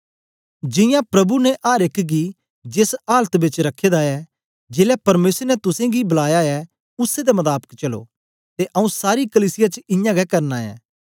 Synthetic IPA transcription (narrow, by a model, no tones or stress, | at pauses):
d͡ʒɪ̃jãpɾɐbunɛʔaːɾekɡi | d͡ʒesaːlət̪bɪt͡ʃɾɐkʰːeːd̪aɛ | d͡ʒeːlɛpɐɾmeːsəɾnɛt̪ʊsẽɡibɐlaːjaɛ | ʊsːed̪emɐt̪aːpə̥kt͡ʃɐlo̰ː | t̪eʔɐũsaːɾikɐliːsɪjat͡ʃɪ̃jãɡɛkɐɾnaɛ̰ː